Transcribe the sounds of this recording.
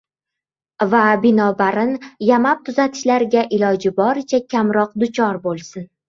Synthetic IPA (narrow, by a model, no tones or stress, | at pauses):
vabɪnɒbaɾɪnjamap̚t̪ʰʊzat̪ʰɪ̥ʃlaɾɡʲaʔɪlɒd͡ʒɪbɒɾɪt͡ʃʰakʲʰamɾɒqd̪ʊt͡ʃʰɒɾbolˠsɪn